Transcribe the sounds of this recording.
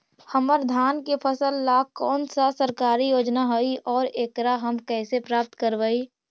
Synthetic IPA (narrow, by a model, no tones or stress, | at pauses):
həməɾd̪ʱaːnkepʰəsəlːakɔːnsasəɾkaːɾijoːd͡ʒnaɦoiʔɔːɾeːkɾaɦəmkɛːsepɾaːp̚t̪kəɾʋəi